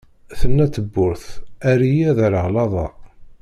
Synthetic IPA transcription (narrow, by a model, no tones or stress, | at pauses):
θənːæt͡sːəbːʊɾθæɾijæðəɾəʁlɑðˤɑ̰